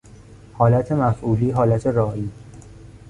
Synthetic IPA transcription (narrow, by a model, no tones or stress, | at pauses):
hɒːlæt̪ʰe̞mæfʔuːliːɦɒːlæt̪ʰe̞ɾɒːiː